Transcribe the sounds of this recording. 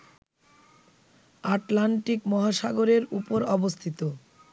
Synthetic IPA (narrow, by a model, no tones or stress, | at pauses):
aʈlaɳʈikmɔɦaʃaɡoɾeɾupoɾɔbost̪ʰit̪o